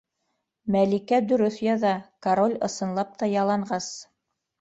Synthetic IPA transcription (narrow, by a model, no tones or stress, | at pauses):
mælikæd̪ɵ̆ɾɵθjɑðɑkaɾolʲɤ̆sɤ̆nlˠɑp̚t̪ɑjɑlˠɑɴɢɑs